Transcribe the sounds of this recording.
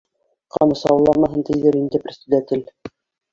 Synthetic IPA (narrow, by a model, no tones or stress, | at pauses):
qɑmɤ̆sɑwɤ̆lˠːɑɾmɑɦɤ̆nt̪ɘ̆jðɘɾind̪ɘprʲɪsʲt̪ud̪æt̪ʲɘl